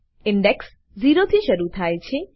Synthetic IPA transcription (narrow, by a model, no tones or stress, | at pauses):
ɪɳɖeks | d͡ʒiɾot̪ʰiʃəɾut̪ʰajt͡ʃʰe